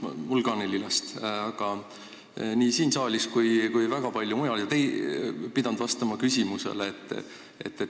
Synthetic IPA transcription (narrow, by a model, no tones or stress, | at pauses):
mulɡɑnelilɑst̪ɑɡ̥ɑ | niːsiːnsɑːlʲiskujkujvæɡ̥ɑpɑlʲjumujɑljɑt̪ejpid̪̥ɑnd̪vɑst̪ɑmɑkys̬ʲimuse̞̰leet̪ːˑ | ḛt̪ːe